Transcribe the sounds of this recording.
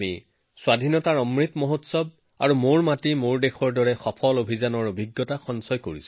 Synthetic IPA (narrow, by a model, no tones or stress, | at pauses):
mi | swadʱinɔtaɹɔmɹit̪moɦotsɔb̚ | a̰ɹumoɹmatimoɹdexʰɔɹdɔɹɛxɔpʰɔlobʱizanɔɹobʱiɡːɔtaxɔnsɔjko̰ɹis